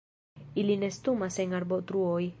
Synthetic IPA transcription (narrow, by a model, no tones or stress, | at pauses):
ilinest̪umaseŋaɾbot̪ɾuoj